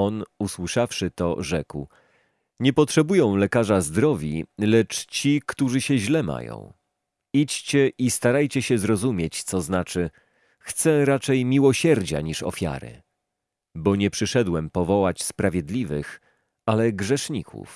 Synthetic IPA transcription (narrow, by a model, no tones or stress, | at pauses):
ɔnuswɘʂafʂɘt̪ɔ̰ʐɛkw | ɲɛpɔtʂɛbujɔ̃w̃lɛkaʐazd̪ɾɔvʲḭlɛt͡ʂt͡ɕikt̪uʐɘɕɛʑlɛma̰jɔ̰̃w̃ | it͡ɕt͡ɕɛʔist̪aɾajt͡ɕɛɕɛzɾɔzumʲjet͡ɕt̪sɔznat͡ʂɘ | xt̪sɛɾat͡ʂɛjmʲiwɔɕɛɾd͡ʑa̰ɲiʂɔ̰fʲja̰ɾɘ̰ | bɔɲɛpʂɘʂɛd̪wɛmpɔvɔwat͡ɕspɾavʲjed̪lʲivɘx | alɛɡʐɛʂɲḭkʰṵf